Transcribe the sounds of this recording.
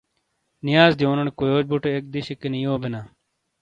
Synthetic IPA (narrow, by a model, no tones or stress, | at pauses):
nɪjaːzd̪jõːnəɳkojoːt͡ʃbuʈeek̚d̪ɪʃɪkːeniːoːbɪnaː